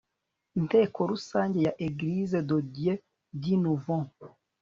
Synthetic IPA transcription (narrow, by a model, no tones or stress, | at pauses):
nteːkoɾusaːɲɟejaʔeɡiɾizedoɟije | dinuvɔ̃